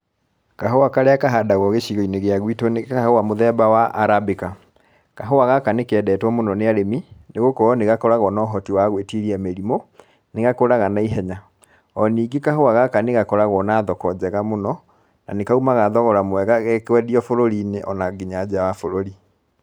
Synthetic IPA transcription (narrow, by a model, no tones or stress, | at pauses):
kaɦoakaɾeakaɦadaɣɔɣeɕiɣɔineɣeaɣwitonekahowamoðɛbawaʔaɾabeka | kaɦowaɣakanekɛdɛːtwamonɔneaɾemineɣokɔɔneɣakɔɾaɣɔnɔɦɔtiwaɣwetiɾiameɾimo | neɣakoɾaɣanaiɦɛɲa | ɔniːɡekahoaɣakaneɣakɔɾaɣɔnaːðɔkɔd͡ʑɛɣamonɔ | na̰nekaumaɣaðɔɣɔɾamwɛɣaɣɛkwɛdiɔfoɾoɾineʔɔnaɡiɲad͡ʑawafoɾoɾi